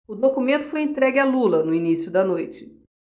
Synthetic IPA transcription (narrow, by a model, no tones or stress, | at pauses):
ʊd̪okumẽnt̪ʊ̥fojẽt̪ɾɛɡɪalulɐnʊinisjʊd̪ɐnojt͡ʃɪ̥